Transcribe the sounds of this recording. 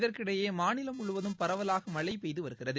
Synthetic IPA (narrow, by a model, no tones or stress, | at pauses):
ðɐrkɪɽɐjeːmaːnɪlɐmʊɭɯʋɐðɯmpɐɾɐʋɐlaːɣɐmɐɭɐɪpːɛjðɯʋɐɾɯɣɪrɐðɯ